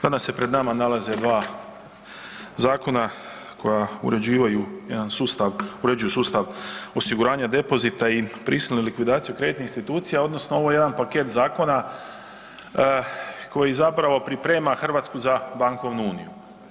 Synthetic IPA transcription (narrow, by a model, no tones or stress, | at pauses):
d̪anasːe̞pɾe̞d̪namanalaze̞d̪ʋaː | zaːko̞na | kʰo̞jaṵɾed͡ʑiːʋajujed̪ansuːst̪aʋuɾe̞d͡ʒujusuːst̪aʋo̞siɡuɾaːɲad̪e̞po̞zit̪aipɾʔisilnelikʋid̪aːt̪sijukɾe̞d̪it̪neinst̪it̪uːt̪sijao̞d̪no̞snoo̞ʋo̞jejed̪anpake̞t̪zaːko̞na | ko̞jizapɾaʋo̞pɾipɾe̞ːmaxr̩ʋaːt̪skuzabaŋko̞ʋnuuːnḭju